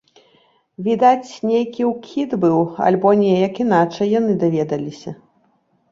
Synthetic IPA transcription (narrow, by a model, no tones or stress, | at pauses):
vʲid̪at͡sʲnʲejkʲiwkʲʰid̪bɨwa̰lʲbɔnʲɛjɐkinat͡ʂɐjːan̪ɨd̪avʲɛd̪ɐlʲisʲɐ